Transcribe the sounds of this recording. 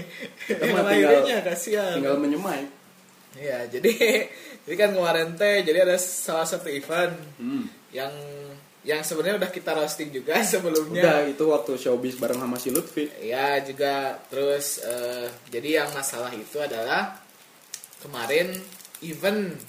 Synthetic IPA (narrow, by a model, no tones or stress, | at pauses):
məmaiɡalɲakasiaiŋɡalməɲəmaj | jad͡ʒadid͡ʒadikanŋəwaɾɛnt̪ed͡ʒadiadasalahsat̪uivən | jaŋ | jaŋsəbənrɲaudahkit̪aɾost̪ɪk̚d͡ʒuɡasəbəlumɲadait̪uwak̚t̪uʃobɪsbaɾaŋhamasilut̪fɪḭjad͡ʒuɡat̪əɾʊsəd͡ʒadijaŋmasalaɦit̪uadalah | kəmaɾɛnivən